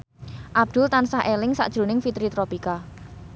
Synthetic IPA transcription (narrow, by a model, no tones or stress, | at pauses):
ʔab̚d̪̥ʊ̤lt̪ansahʔelɪŋsa̰ʔd̥ʒ̥ɾṳnɪŋfit̪ɾit̪ɾopika